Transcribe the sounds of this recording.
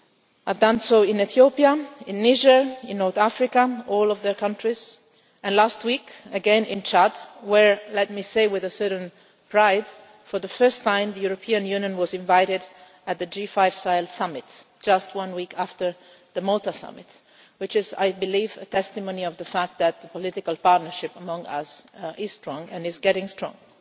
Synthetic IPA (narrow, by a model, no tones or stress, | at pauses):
aɪvdʌ̃nsoʊɪ̃nɨθiopiaɪ̃nːiʒəɪ̃nːɔɹθæfɹɪkaɔlˠɔvðə˞kʰʌ̃ntɹ̥iz | ɨ̃nlæst̚wikɨɡɛ̃nɪ̃nt͡ʃadwəɹlɛt̚miseɪwɪðəsɜ˞ʔn̩ | pʰɹaɪd̥ | fə˞ðəfɜ˞stʰːãɪ̃mðəjuɹɔpʰiɨ̃njʉ̃njə̃nwʌzɪ̃ɱvaɪɾɪd | ɨt̪̚ðɨd͡ʒifaɪv̥saɪlˠdsʌmɪtd̥d͡ʒ̥ʌst̚wʌ̃nwikʰæftə˞ | ðəmɔlˠtəsʌ̰mɪt | wɨt͡ʃɪza̰ɪbɨlivɨtʰɛstɨmõʊ̃niʌvðəfæk̚t̚ðɨt̪̚ðəpɔlɪɾɪkəlˠpɑɹtⁿnə˞ʃɪpəmʌ̃ŋʌ̰sʔɪz̥stɹ̥ɔ̃ŋɨ̃nɪzɡɛɾɪ̃ŋstɹ̥ɔ̰̃ŋ